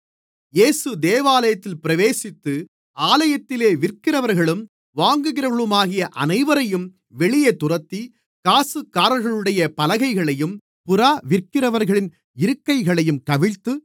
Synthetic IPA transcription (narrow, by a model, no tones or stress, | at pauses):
jeːsɯd̪eːʋaːlɐjɐt̪ːɪlpɪɾɐʋeːsɪt̪ːɯ | aːlɐjɐt̪ːɪleːʋɪrkɪrɐʋɐɾɣɐɭɯm | ʋaːŋɡɯɣɪɾɐɯɭɯmaːɣɪjɐʔɐnɐɪʋɐɾɐjɯm | ʋɛɭɪjeːt̪ʊrɐt̪ːi | kaːsɯkːaːɾɐɾɣɐɭɯɽɐjɐpɐlɐɣɐɪɣɐɭɐjɯm | pʊɾaːʋɪrkɪrɐʋɐɾɣɐɭɪn | ɪɾɯkːɐɪɣɐɭɐjɯmkɐʋɪɻt̪ːɯ